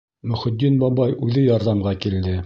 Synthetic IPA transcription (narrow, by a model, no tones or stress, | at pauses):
mɵ̆χɵ̆d̪ːinbɑbɑjʉðɘjɑɾðɑmʁɑkild̪ɘ